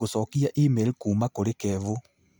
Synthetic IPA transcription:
osɔːkiaʔimeɾikuːmakoɾekɛːvo

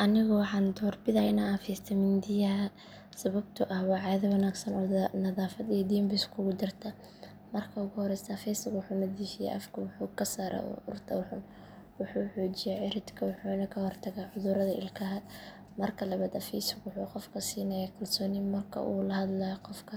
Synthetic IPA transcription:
ʔɐnɪɣʊwɑħɑːnd̪ɔːrbɪðɐɪnaːfiːst̪ʰɐmɪnd̪ɪjɐɦɐ | sɐβɐb̚t̪ʰʊʔɐhwɑːʕɑːðɐwɐnaːɡsɐnʕʊðnɐðaːfɐd̪id̪iːmbɪskʰʊɣʊd̪ɪrt̪ʰɐ | mɐrkʰɐʊɣʊhɔɾɛjst̪ɐːfɛsɐɡwʊħuːnɐðiːfɪja̰ʔɐfkʰɐwʊħuːkʰɐsaːɾʔa̰ːʊ̰rt̪ʰɐ̰wħʊn | wʊħuːħɔːt͡ʃɪjaːʕɪɾɪd̪kʰɐwʊħuːnɐkʰɐhɔrt̪ʰɐɣaːʕʊðʊɾɐðɐʔɪ̰lkʰɐɦɐd̪ | mɐrkʰɐlɐβaːd̪ɐfiːsʊɡwʊħuːqɔfkʰɐsiːnɐjaːkʰɐlsɔːnɪmɐrkʰɐ̰ʔṵːlɐhɐd̪lɐjɔqɔfkʰɐ

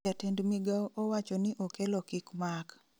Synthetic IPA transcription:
atendmiɡaʔowat͡ʃɔnɪʔokelɔkɪkmak

